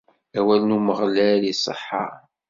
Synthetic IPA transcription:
æwælnuməʁlælisˤə̰ħːɑ̰

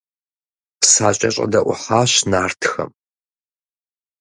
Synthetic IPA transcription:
psaːɕʼɐɕʼɐ̰dɐʔʷʊ̰ħaːɕnaːrtʰxɐ̰m

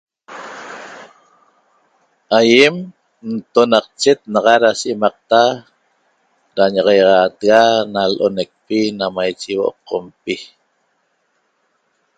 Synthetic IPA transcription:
ajem | n̩t̪onɑq̚t͡ʃet̪̚nɑʁɑɾasʔemɑq̚t̪a | ɾaɲɑʁɑjʁɑːt̪ɣanalʔonek̚pinamajt͡ʃewoʔo̰p̚qʰompi

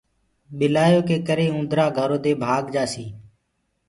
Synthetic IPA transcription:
ɓɪlaːjoːkeːkəɾeːũːd̪ʱɾaːɡʱəɾoːd̪eːbʱaːɡd͡ʒaːsiː

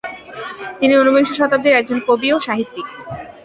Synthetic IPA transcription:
t̪inionubiŋʃoʃɔt̪ab̚d̪eɾɛk̚d͡ʑonkobioʃaɦit̪ːi

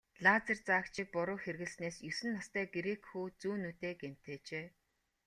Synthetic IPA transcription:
ɮat͡sĕrt͡saːkt͡ɕʰiːk̚pʊɾʊːxerɣɘ̆ɮsneːsjɵsɘ̆nːast̪æːɡeɾekxuːt͡suːnut̪eːɡem̥t̪eːt͡ɕeː

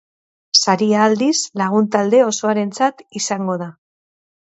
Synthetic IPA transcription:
saɾiaːld̪islaɣ̞unt̪ald̪e̞o̞so̞aɾe̞nt͡sat̪isaŋɡo̞ð̞a

